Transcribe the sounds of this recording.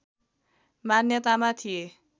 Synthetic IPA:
manjʌt̪amat̪ʰije

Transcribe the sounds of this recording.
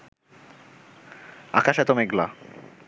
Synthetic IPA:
a̰kaʃɛt̪omeɡla

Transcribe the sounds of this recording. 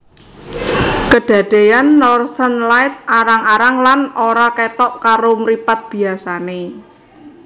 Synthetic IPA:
kəɖ̥ä̤d̪̥e̤janːɔrt̪ənlaɪt̪̚aɾaŋaɾaŋlanoɾaket̪ɔʔkaɾomɾipat̪̚b̥i̤asane

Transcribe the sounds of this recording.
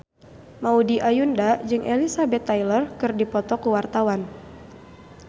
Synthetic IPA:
maudiʔajundad͡ʒɨŋʔelisabɛt̪ːajlərkɨrdipɔt̪ɔkuwart̪awan

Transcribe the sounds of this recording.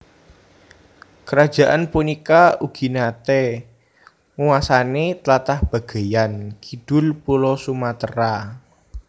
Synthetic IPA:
kəɾad̥d͡ʒʒ̥a̤ʔanpunikauɡ̥i̤nat̪ɛ | ŋuwasanet̪lat̪ahb̥a̤ɡ̥a̤jankid̥ʊlpulɔsumat̪əɾa

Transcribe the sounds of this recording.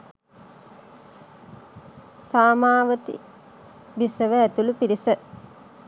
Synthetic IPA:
saːmaːʋət̪ḭ | bisəʋəæt̪ulupiɾisə

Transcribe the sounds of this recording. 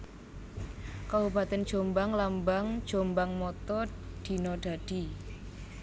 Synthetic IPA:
kabubat̪ɛn̥d͡ʒ̥o̤mbaŋlambaŋd̥ʒ̥o̤mbaŋmɔt̪ɔɖ̪̥i̤nɔɖ̥a̤ɖ̥i̤

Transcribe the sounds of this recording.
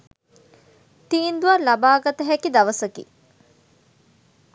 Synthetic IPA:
t̪iːnd̪uʋɐɾlabaːɡɐt̪əɦɛkid̪aʋəsəkḭ

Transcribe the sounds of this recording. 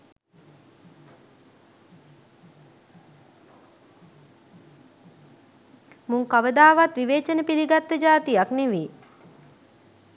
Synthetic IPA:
muŋkaʋəd̪aːʋat̪ʋiʋeːt͡ʃənəpiliɡat̪ːəd͡ʒaːt̪ijakneʋi

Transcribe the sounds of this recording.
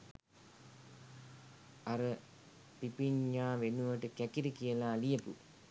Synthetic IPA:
aɾə | pipiɲːaːʋenuʋəʈəkækiɾəkijəlaːlijəpṵ

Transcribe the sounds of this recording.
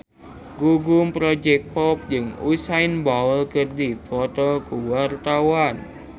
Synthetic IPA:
ɡuɡumpɾod͡ʒɛk̚pɔp̚d͡ʒɨŋusainbaɔlkərdifɔt̪ɔkuwart̪awan

